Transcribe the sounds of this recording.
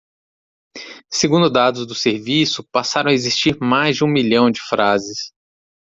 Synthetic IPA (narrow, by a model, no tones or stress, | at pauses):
seɡũnd̪ʊd̪ad̪ʊzd̪ʊseɾvisʊpasaɾɐ̃w̃aezist͡ʃiɾmajzd͡ʒɪũmiʎɐ̃w̃d͡ʒɪfɾazɪs